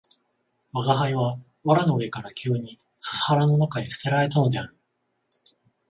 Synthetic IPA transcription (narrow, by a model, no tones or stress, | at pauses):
βaɡaɦaiβa | βaɾano̞ɯe̞kaɾakʲɨːɲ̟i | sḁshaɾano̞nakaesɯ̥t̪e̞ɾaɾe̞t̪ano̞d̪e̞aɾɯ